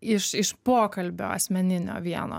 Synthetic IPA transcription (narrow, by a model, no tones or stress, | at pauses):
ɪʃɪʃpoːkɐlʲbʲo̰ːɐ̰sʲmʲɛnʲɪnʲo̰ːʋʲiɛno̰ː